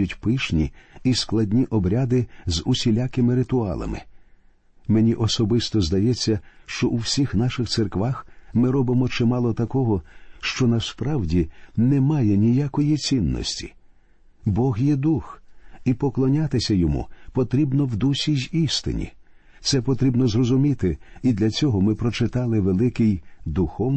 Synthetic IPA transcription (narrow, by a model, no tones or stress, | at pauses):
ʊtʲpɪʃnʲiisklˠɐdʲnʲiʔɔbɾʲad̪ɪzʊsʲilʲakɪmɪɾɪt̪ʊɑ̰lˠɐ̰mɪ̰ | menʲiʔɔsɔbɪst̪ɔzd̪ɐjɛt͡sʲːɐʃt͡ʃɔʔuwsʲixnaʃɪxt̪serkʋaxmɪɾɔbɪmɔt͡ʃɪmɑlˠɔt̪ɐkɔɦɔʃt͡ʃɔnɐspɾawdʲinɛmajɛnʲijakɔjit͡sʲinːɔ̰sʲtʲi̥̰ | bɔɣjɛd̪uxipɔklˠɔnʲat̪ɪsʲɐjɔmṵpɔt̪ɾʲibnɔwd̪usʲijist̪ɪ̰nʲḭ | t̪sɛpɔt̪ɾʲibnɔzrɔzʊmʲit̪ɪid̪lʲɐt͡sʲɔɦɔmɪpɾɔt͡ʃɪt̪ɑlˠɪʋelˠɪkɪjd̪uxɔ